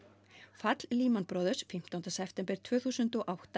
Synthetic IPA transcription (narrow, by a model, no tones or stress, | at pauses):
fat̪lliːmanpɾɔːðʏsfim̥t̪awnt̪asɛpʰt̪ɛmpɪɾ̥t̪ʰvœːθuːsʏnt̪ɔʔawht̪a